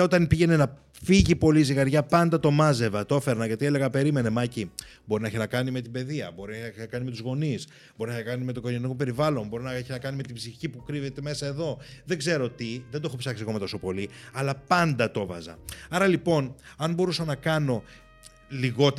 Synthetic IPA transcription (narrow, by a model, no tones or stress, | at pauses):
o̞t̪ɐnpiʝe̞ne̞nɐ | fiʝipo̞liziɣɐɾʝɐpɐnd̪ɐt̪o̞mɐze̞vɐt̪o̞fe̞ɾnɐʝɐt̪iele̞ɣɐpe̞ɾime̞ne̞mɐci | bo̞ɾinɐeçinɐkɐnime̞t̪ibe̞ðiɐ̰bo̞ɾinɐeçnɐeçnɐkɐnimet̪uzɣo̞nis | bo̞ɾinɐçnɐkɐnime̞t̪oɡonɐnikope̞ɾivɐlo̞nbo̞ɾinɐeçinɐkɐnime̞t̪ibziçipukɾive̞t̪e̞me̞sɐe̞ðo̞ðe̞ɡze̞ɾo̞t̪iðend̪o̞xopsɐksiɐkomɐt̪o̞so̞po̞liɐlɐpɐnd̪ɐt̪o̞vɐ̰zɐ̰ɐɾɐlipo̞nɐnbo̞ɾusɐnɐkɐno̞ | liɣo̞t̪